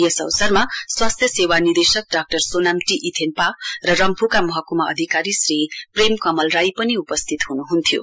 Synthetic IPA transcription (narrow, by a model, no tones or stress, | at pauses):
jʌsʌ̰wsʌrmaswast̪ʰjʌsewanird̪esʌk̚ɖak̚ʈʌrsonamʈiʔit̪ʰenparʌrʌmpʰukamʌɦʌkumaʌ̰d̪ʱikaɾisripremkʌmʌlrajpʌniupʌst̪ʰit̪ɦunuɦunt̪ʰijo̰